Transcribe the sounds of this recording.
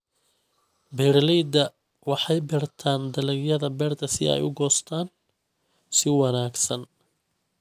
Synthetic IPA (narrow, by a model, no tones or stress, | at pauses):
bɛrlɛjd̪ɐ | wɑħɑjbɪrt̪ʰaːnd̪ɐlɛɡjɐðɐbɛːrt̪ʰɐsɪɛ̰jʊɡɔːst̪ʰaːn | sɪwɑnaːɡsɐn